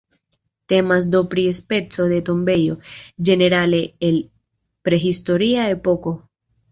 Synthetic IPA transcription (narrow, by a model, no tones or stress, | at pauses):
te̞mas̬do̞pɾiespe̞t͡so̞de̞to̞mbe̞jo̞d͡ʒe̞ne̞ɾale̞ːl | pɾe̞ɦisto̞ɾiae̞po̞ko̞